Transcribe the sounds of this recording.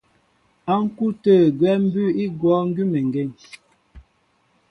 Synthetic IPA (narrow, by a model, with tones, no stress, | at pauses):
a˦ŋ̩˦ku˦tə˦˨ɡwɛ˦m̩˦bʉ˦i˦ɡwɔ˦ŋ̩˦ɡʉ˦mɛ˨ŋ˨ɡe˦˨ŋ